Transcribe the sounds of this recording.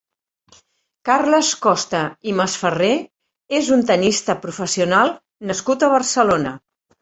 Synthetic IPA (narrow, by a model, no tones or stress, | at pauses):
karləskɔst̪əiməsfəre | ezunt̪ənist̪əpɾufəsiunalˠ | nəskut̪əβ̞ərsəlonə